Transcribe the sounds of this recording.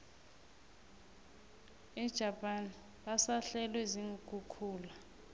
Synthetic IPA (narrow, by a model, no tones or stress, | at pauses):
ɛd̥ʒ̥ʱapʼan | ɓasaɬɛlwɛziŋuk̬ʼukʰuːla